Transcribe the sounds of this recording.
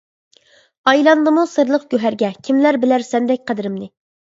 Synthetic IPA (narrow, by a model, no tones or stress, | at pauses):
ɑjlˠɑnd̪ɨmusɨɾlˠəqɡʲøɦæɾɡʲɛkʲʰimlæɾbɪlæɾsɛnd̪ɛk̚ʲqʰæd̪ɪɾɪmnɪ